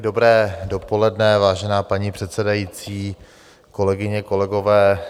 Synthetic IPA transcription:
do̞bɾɛːdo̞po̞lɛdnɛvaːʒɛnaːpaɲiːpr̥ɛt̪sɛdajiːt͡siː | ko̞lɛɡɪɲɛko̞lɛɡo̞vɛː

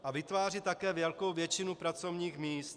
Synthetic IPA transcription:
ʔavɪt̪vaːrɪt̪ːakɛːvjɛlko̞wvjɛt͡ʃɪnupɾat͡so̞vɲiːxmiːst̪

